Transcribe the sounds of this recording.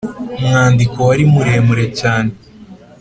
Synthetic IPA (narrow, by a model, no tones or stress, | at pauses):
mŋaːndiko̞waɾimuɾeːmuɾe̞caːne